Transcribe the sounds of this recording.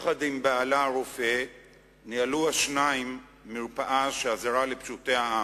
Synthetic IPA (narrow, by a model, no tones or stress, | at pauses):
χadimbaalaʁofe | nialuaʃnaimː | iʁpaʔaʃeazaʁalepʃute̞aa